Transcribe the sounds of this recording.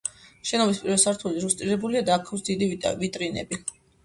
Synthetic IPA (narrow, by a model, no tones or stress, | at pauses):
ʃɛnɔmispʼiɾɛvɛsaɾt̪ʰuliɾust̪ʼɾiɾɛbuliad̪aːkʰafsd̪id̪ivit̪ʼɾinɛ̰bi